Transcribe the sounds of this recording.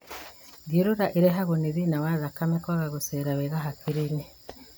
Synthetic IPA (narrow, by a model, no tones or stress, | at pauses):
ɡiɾuɾaʔiɾeɦaɣoniðinawaðakamekwaɣaɣuseɾaβeɣaɦakʰiɾini